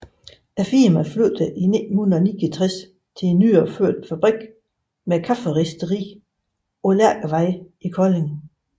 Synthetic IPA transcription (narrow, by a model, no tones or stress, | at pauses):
æfimæfløðˠd̥əʔinedn̩hunðˠni̥it͡sʰʁɛs | t͡sʰe̝enːyːɒføɐ̰d̥fæb̥ʁiɡ̥ | mekʰɑfəʁisd̥əʁḭː | ɒ̽læɐ̰ɡ̥ʋɑɪ | ikʰɒleŋ